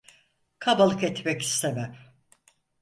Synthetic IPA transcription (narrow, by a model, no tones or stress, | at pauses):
kʰabalˠɯkɛt̪mɛci̥st̪ʰemæm